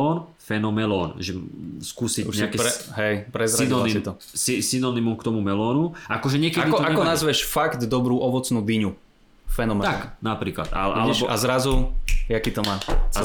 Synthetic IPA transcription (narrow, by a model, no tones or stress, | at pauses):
ɔːn | fɛnɔmɛlɔːnʒɛskuːsiɲɛakɛɾɛɦɛjpɾɛzɾanɔanissit̪ɔ | sisinɔnimɔmkt̪ɔmumɛlɔːnuʔakɔʒɛɲɪɛkɛd̪ikɔaɛkɔnazʋɛʃfaɡd̪d̪ɔbɾuːʔɔʋɔt͡snuːd̪iɲu | fɛnɔmɛaknapɾiːkla̰t̪a̰alɛʃɔa̰zɾazujakiːt̪ɔmaːt͡s